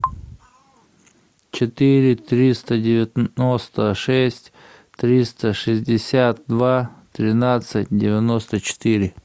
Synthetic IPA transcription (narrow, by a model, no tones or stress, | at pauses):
t͡ɕɪt̪iɾʲɪt̪ɾʲist̪ədʲɪvʲɪnost̪əʂɛsʲtʲ | t̪ɾʲist̪əʂɨzʲdʲɪsʲat̪̚d̪vat̪ɾʲɪnat̪sɨtʲdʲɪvʲɪnost̪ət͡ɕɪ̥t̪iɾʲɪ